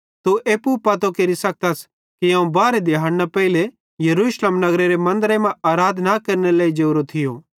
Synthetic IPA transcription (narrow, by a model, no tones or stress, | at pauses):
t̪uʔeːpupɐt̪okeɾisɐk̚t̪as | kiɐ̃ːũbaːɾed̪ɪɦaːɽnapɛile | jɐɾuːʃleːmnɐɡɾeɾemɐ̃nd̪ɾemãaːɾaːd̪ʱnakɐɾnelaːid͡ʒeɾot̪ʰɪjoː